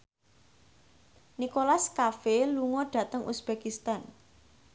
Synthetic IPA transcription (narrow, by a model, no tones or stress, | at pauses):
nikolaskafeluŋɔɖ̥ä̤t̪əŋʔusb̥ekist̪an